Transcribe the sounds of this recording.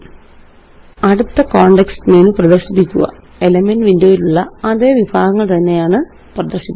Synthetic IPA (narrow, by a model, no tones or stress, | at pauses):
ɐɽut̪ːɐkoːɳɖeksneːnuprɐd̪ɐrɕipːikʲːṵɣɐ̰ | elɐmenʋindoːjiluɭːɐɐðe̞ːʋibaːɡɐŋːɐɭt̪ɐnːe̞jaːɳɨ | prɐd̪ɐrɕipː